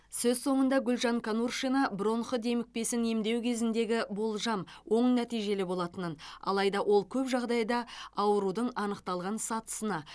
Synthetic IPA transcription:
sɵzso̞ɴənd̪ɑɡʲʏlʲʒɑŋkʰanurʃinɑbɾo̞nχəd̪e̞mɪk̚pe̞sɪne̞md̪e̞wkʲʰe̞zɪnd̪e̞ɡʲɪbo̞lˠʒɑmwo̞ɴnæt̪ijʒe̞lɪbo̞lˠɑt̪ənənɑ̰lˠɑjd̪ɑwʔo̞lˠkʲʰɵpʒɑʁd̪ɑjd̪ɑɑwəɾud̪əɴɑnəqt̪ɑlˠʁɑnsɑt̪ə̥sənɑ

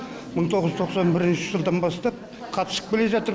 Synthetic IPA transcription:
məɴt̪ʰo̞ʁəzj̪t̪ʰo̞qsɑnbɪɾɪnʃɪʒəlˠd̪ɑnbɑst̪ɑp̚ | qʰɑt̪ə̥səq̚bɪle̞ʒɑt̪əɾ

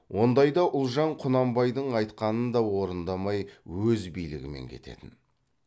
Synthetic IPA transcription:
wo̞nd̪ɑjd̪ɑʔʊlˠʒɑɴqʰʊnɑmbɑjd̪əɴɑjt̪qɑnənd̪ɑwo̞ɾənd̪ɑmɑjwɵzbijlɪɡʲɪme̞̰ŋkʲʰe̞̰t̪e̞̰t̪ɪn

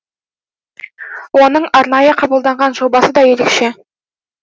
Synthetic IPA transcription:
wo̞nəɴɑɾnɑjəqʰɑbəlˠd̪ɑɴʁɑnʒo̞bɑsəd̪ɑjeɾekʃe

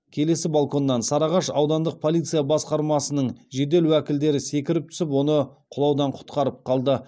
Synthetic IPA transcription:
kʲʰe̞le̞sɪbalˠko̞nːɑnsɑɾɑʁɑʃɑwd̪ɑnd̪əq̚pʰo̞lʲˠijt̪sɨjabɑsqɑɾmɑsənəɴʒe̞d̪e̞lwækʲɪld̪e̞ɾɪse̞kʲɪɾɪp̚t̪ʰʏ̥sɪpwo̞nəqʰʊlˠɑwd̪ɑɴqʰʊ̥t̪qɑɾəp̚qʰɑlˠd̪ə

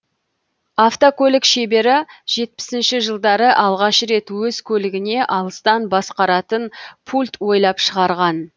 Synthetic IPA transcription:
aft̪okʲʰɵlɪkʃe̞be̞ɾɪʒ̥e̞t̪̚pɪ̥sɪnʃɪʒəlˠd̪ɑɾəʔɑlˠʁɑʃɾe̞t̪wɵzkʲʰɵlɪɡʲɪne̞ʔɑlˠəst̪ɑnbɑsqɑɾɑt̪ənpʰulʲt̪wo̞jlˠɑpʃəʁɑɾʁɑn

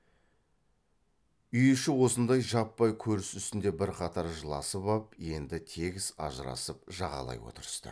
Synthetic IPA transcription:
ʏjɪʃɪwo̞sənd̪ɑjʒɑpːɑjkʲʰɵɾɪsʏst̪ɪnd̪e̞bɪɾqʰɑt̪ɑɾʒəlˠɑ̰səpɑpje̞nd̪ɪt̪ʰe̞ɡʲɪz̥ɑ̰ʒəɾɑ̰səp̚ʒɑʁɑ̰lˠɑ̰jwo̞̰t̪əɾəst̪ə̰

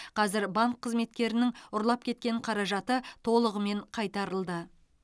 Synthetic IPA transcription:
qʰɑzɪɾbɑŋkʰːəzme̞t̪kʲe̞ɾɪnɪŋʊɾlˠɑp̚kʲʰe̞t̪̚kʲe̞ɴqʰɑɾɑʒɑt̪ət̪ʰo̞lˠəʁəme̞ɴqʰɑjt̪ɑɾəlˠd̪ə

